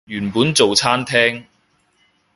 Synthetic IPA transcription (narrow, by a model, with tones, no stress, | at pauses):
jyː˨˩npuː˨˥nt͡so˨wt͡sʰaː˥nt̪ʰɛː˥ŋ